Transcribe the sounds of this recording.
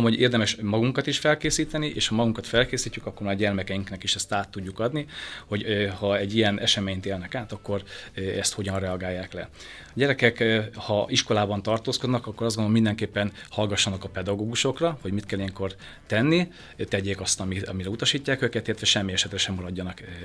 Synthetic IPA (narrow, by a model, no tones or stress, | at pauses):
mhoeːrd̪ɛmɛʃmɒɡuŋkɒt̪iʃfɛlkeːsiːt̪ɛniʔeːʃhɒmɒɡuŋkɒt̪fɛlkeːsiːcːykɒkːo̞rmaːrɟɛrmɛkɛjiŋknɛkiʃɛst̪aːt̪ːuɟːukɒd̪niho̞ɟhɒɛɟːijɛnʔɛʃɛmeːɲt̪eːlnɛkaːt̪ɒkːo̞rɛst̪ho̞ɟɒnrɛɒɡaːjːaːklɛ̰ | ɒɟɛɾɛkɛkhɒʔiʃko̞laːbɒnt̪ɒrt̪oːskod̪nɒkɒkːoɒzɡonomind̪ɛŋkeːpːɛnhɒlɡɒʃːɒnɒkɒpɛd̪ɒɡoːɡuʃo̞krɒho̞ɟmit̪kɛlːijɛŋko̞r | t̪ɛnːi | t̪ɛɟeːkɒst̪ɒmiɒmiɾɛut̪ɒʃiːcːaːkøːkɛlt̪ilːɛt̪ʋɛʃɛmːiɛʃɛt̪rɛʃɛmːɒɾɒɟːɒnɒk